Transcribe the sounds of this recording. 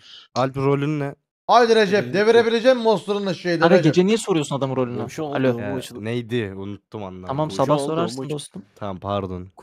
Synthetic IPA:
alʲpɾolʲynnɛ | ajd̪iɾed͡ʒɛp̚d̪eveɾebilʲed͡ʒɛmmost̪uɾɯnaʃejd̪ʲadaɡed͡ʒenijɛsoɾujosunad̪amɯnɾolʲunaʃalʲonejd̪ɪunut̪ːumanlˠaamamsabasoɾaɾsnost̪umt̪ʰampʰaɾd̪on

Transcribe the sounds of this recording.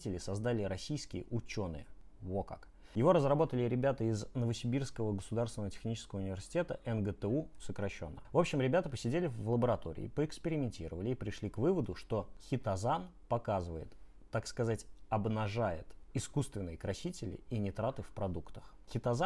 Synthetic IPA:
tʲɪlʲɪsɐzd̪alʲɪɾɐsʲijskʲɪjə̰ʔʊt͡ɕo̞nɨ̰jə | voka̰k | jɪvo̞ɾəzrɐbo̞t̪əlʲɪɾʲɪbʲat̪əɪznəvəsʲɪbʲirskəvəɡəsʊd̪aɾrst̪vʲɪnətʲɪ̥xnʲit͡ɕɪskəvəʊnʲɪvʲɪrsʲɪ̥tʲet̪əʔɛnɡət̪ɛusəkɾɐɕːo̞̰nːə̰vo̞pɕːɪmɾʲɪbʲat̪əpəsʲɪdʲelʲɪvlˠəbəɾɐt̪o̞̰ɾʲɪ̰ɪ̰ːpəɪkspʲɪɾʲɪmʲɪnʲtʲiɾəvəlʲɪːpɾʲɪʂlʲikvɨvəd̪ʊʂt̪o̞xʲɪt̪ɐzan | pɐkazɨvəjɪ̰t̪ː | akskɐzatʲɐbnɐʐajɪ̰t̪ɪskust̪vʲɪnːɨjəkɾɐsʲitʲɪlʲɪ̰inʲɪt̪ɾat̪ɨfpɾɐd̪ukt̪ə̥x | xʲɪt̪ɐza

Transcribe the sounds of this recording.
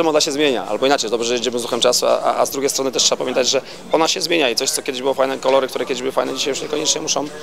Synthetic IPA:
ɛmɔd̪aɕɛzmʲjeɲa̰ʔa̰lbɔinat͡ʂɛjd̪ɔbʐɛʐɛjed͡ʑɛmɘzuxɛmt͡ʂasua̰ʔa̰ʔazd̪ɾuɡʲejst̪ɾɔnt̪ɛʂtʂɛbapamʲjɛnt̪ad͡ʑʐɛ | ɔnaɕɛzmʲeɲait̪sɔɕt̪sɔkʲɛd̪ɪʑbɘwɔfajnɛkɔlɔɾɘkt̪uɾɛkʲɛd̪ɪʑbɘwɘfajnɛd͡ʑiɕ̬ajuʂɲɛkɔɲɛt͡ʂɲɛmuʂɔ̃w

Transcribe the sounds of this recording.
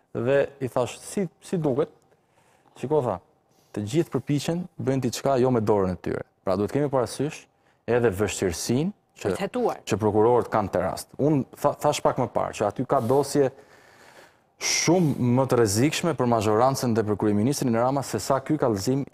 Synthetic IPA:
ðɛiθaʃsisid̪ukɛt̪̚ | t͡ʃikɔθa̰ | t̪əd͡ʑiθpəɾpit͡ɕɛnbənt̪̬it͡ʃkajɔmɛd̪ɔɾənɛt̪y̰ɾɛ̰pɾad̪uɛt̪kɛmipaɾasyʃ | ɛðɛvəʃt̪iɾsin | t͡ʃəɛt̪uat͡ʃəpɾɔkuɾɔɾət̪kant̪ɛɾa̰st̪unaθaʃpakməpa̰ɾt͡ʃəat̪ykad̪ɔsjɛ | ʃumːət̪əɾɛzikʃmɛpəɾmaʒɔɾant͡sənðɛpɾɔkuɾiminist̪ɾinəɾamasɛsakykalzim

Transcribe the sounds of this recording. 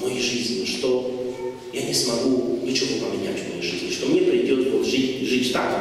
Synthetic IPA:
mojijʐɨzʲnʲɪʂt̪o | janʲɪsmɐɡunʲɪt͡ɕɪvopəmʲɪnʲæ̰tʲvmɐjeʐɨzʲnʲɪʂt̪omnʲepɾʲɪdʲot̪voʐɨtʲʐɨtʲt̪ak

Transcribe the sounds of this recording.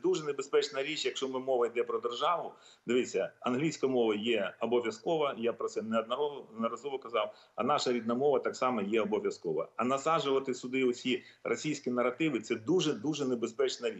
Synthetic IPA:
d̪uʒɛnebespɛt͡ʃnɐɾʲit͡ʃjɐkʃt͡ʃɔmɪmɔʋɐjd̪ɛpɾɔd̪erʒɑʋʊ | d̪ɪʋɪt͡sʲːɐɐnɦlʲijsʲkɐmɔʋɐjɛɔbɔʋʲjɐskɔʋɐjapɾɔt̪sɛneɐd̪nɐɾɔnɐɾɐzɔʋɔkɐzɑw | ɐ̰nɑʃɐɾʲid̪nɐmɔʋɐt̪ɑksɑmɐjɛɔbɔʋʲjɐskɔʋɐ̰ɐnɐsɑʒʊʋɐt̪ɪsʊd̪ɪɔsʲirʔɔsʲijsʲkʲinɐrɐt̪ɪʋɪt̪sɛd̪uʒɛd̪uʒɛnebespɛt͡ʃnɐɾʲi

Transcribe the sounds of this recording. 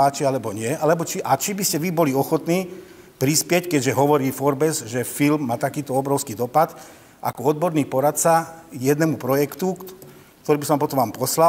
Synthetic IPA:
aːt͡ʃialɛbɔɲɪɛalɛbɔt͡ʃiʔat͡ʃibiscɛʋibɔliɔxɔt̪niː | pɾispɪɛckɛɟʒɛɦɔʋɔɾiːfɔɾbɛzʒɛfilmːaːt̪akiːt̪ɔɔbɾɔʊskiːd̪ɔpat̪ | ʔa̰kɔɔd̪bɔɾniːpɔɾat̪̚t͡sajɛd̪nɛmupɾɔjɛkt̪u | kt̪ɔɾiːbisɔʋampɔt̪ɔmʋaːmpɔsla

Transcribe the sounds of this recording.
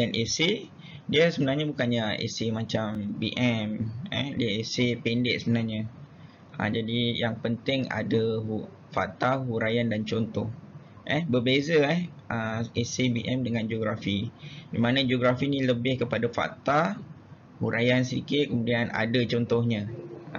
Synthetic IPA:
anʔese | diəsəbənarɲabukanɲaḛsemãt͡ʃambiʔɛmɛ̰hdiaesependɪʔ̚səmənarɲa | ə̰d͡ʒadijaŋpənt̪ɪŋa̰daɦu | fa̰ʔ̚t̪aɦuɾajandant͡ʃɔnt̪ɔh | ʔɛbərbezaɛhʔəesebiʔɛmdəŋãnd͡ʒoɡɾafidimanãd͡ʒoɡɾafinĩləbɪhkəpadafa̰ʔt̪a | huɾʔajansḭkɪt̪̚kəmudiana̰dat͡ʃɔnt̪ɔhɲa

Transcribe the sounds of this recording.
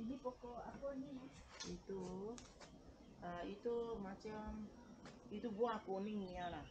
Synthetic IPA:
inipɔkɔakɔɲi | ito | ait̪omat͡ʃam | it̪ubuakoniɲĩana

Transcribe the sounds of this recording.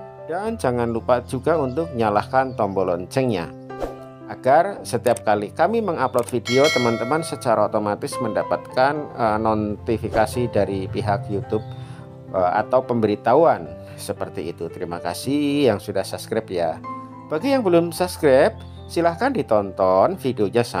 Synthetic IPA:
dand͡ʒaŋanlupad͡ʒuɡaunt̪ʊk̚ɲalahkant̪ɔmbolɔɲt͡ʃɛŋɲa̰ | ʔaɡ̥arsət̪iap̚kalikamiməŋaplot̪̚fideot̪əmant̪əmansət͡ʃaɾaot̪omat̪ɪsməndapat̪̚kanənot̪ifikasidaɾipiɦakjut̪ʊb̚ | əa̰t̪awpəmbəɾit̪auan | səpərt̪iːt̪ut̪əɾimaka̰sɪhjaŋsudahsaskɾɛp̚ja | b̥aɡijaŋbəlʊmsapskɾɛp̚ | silahkandit̪ɔnt̪ɔnfideoɲasa

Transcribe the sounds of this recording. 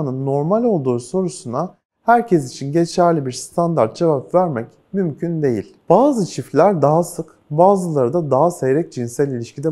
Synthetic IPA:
nɯnːo̞ɾmalʲo̞lˠd̪uːso̞ɾusuna | hæɾcʰɛs̬it͡ʃʰinɟe̞t͡ʃʰæɾlʲibiɾst̪ʰand̪aɾt̪̚d͡ʒevapvæɾmɛc | mymcʰynd̪e̞jḭlʲb̥aːzɯt͡ʃʰiflʲæɾd̪aɦasɯk | baːzɯlˠaɾɯd̪ad̪aɦasejɾɛc̚d͡ʒinsælʲilʲiʃcid̪ɛ

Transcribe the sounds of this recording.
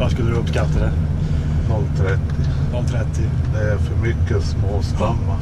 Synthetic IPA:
vaskɵlːəd̪ɵpskat̪ːad̪æɾ | nɔlːt̪ʰɾɛt̪ːɪ | nɔlt̪ʰɾɛt̪ːɪd̪ɛæɾfœɾmʏkːəsmoːst̪amːa

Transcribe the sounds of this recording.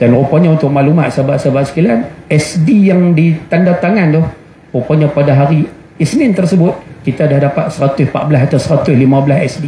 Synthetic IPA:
d̥anropɔɲaunt̪ʊk̚maʔlumat̪sabaʔsabaʔsə̥kilanɛsdijaŋdit̪andat̪aŋandʊh | ropɔɲapadaɦaɾi | isnɪnt̪ərsəbʊt̪̚kit̪adahdapat̪̚səɾat̪ʊspa̰ʔbəlasat̪awsəɾat̪ʊslimabəlasɛsdi

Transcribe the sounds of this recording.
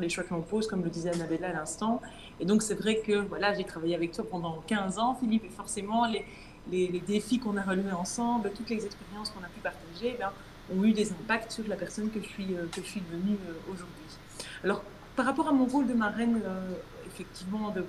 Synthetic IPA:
syleʃwakəɔ̃pozkɔmləd̪izɛanabɛlaːlɛ̃st̪ɑ̃ | ed̪ɔ̃ksɛvʁɛkəvwalaʒet̪χavajeavɛk̚t̪wapɑ̃d̪ɑ̃kʲɛ̃zɑ̃filipefɔʁsemɑ̃le | leled̪efikɔ̃naʁəlyeɑ̃sɑ̃blət̪ut̪lezɛkspeʁjɑ̃skɔ̃napypaʁt̪aʒeːbjɛ̃ | ɔ̃yd̪ezɛ̃pakt̪syʁlapɛʁsɔnkəʒəsɥiøkəʒəsɥivənyøoʒuʁd̪ɥi | alɔʁ | paʁapɔʁamɔ̃ʁold̪əmaʁɛnø | efɛk̚t̪ivmɑ̃d̪ə

